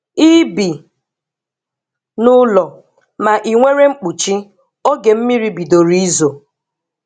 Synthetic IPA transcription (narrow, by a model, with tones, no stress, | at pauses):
i˦bi˨ | nʊ˦lɔ˨ | ma˨ʔi˨ŋʷe˦ɾe˦ŋ͡m̩˦k͡pu˨t͡ʃi˦ | o˦ɡe˨m̩˦mi˦ɾi˦bi˨do˨ɾi˦i˦zo˨